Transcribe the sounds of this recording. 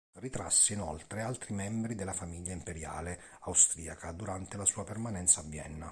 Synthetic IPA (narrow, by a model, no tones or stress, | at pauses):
rit̪ɾa̰sːeinɔlt̪ɾealt̪ɾimɛmbɾid̪elːafamiʎːaimpeɾja̰ːle | awst̪ɾiːakʰad̪uɾant̪elasuːapermanɛnt̪sabjɛ̰nːa